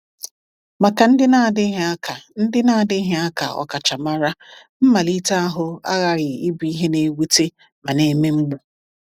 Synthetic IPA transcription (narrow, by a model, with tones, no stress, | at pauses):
ma˨ka˨n̩˦dɪ˦na˦˨dɪ˦ɦa˦ka˨n̩˦dɪ˦na˦˨dɪ˦ɦe˦a˦ka˨ɔ̰˨ka˨t͡ʃa˨ma˦ɾa˦ | m̩˦ma˨li˦ta˦a˦ɦʊ˦a̰˦ɣa˨ɾɪ˨i˦bi˨˦i˦ɦe˦ne˨˦wi˦te˦ | ma˨ne˨me˦ŋ͡m̩˦ɡ͡bu˨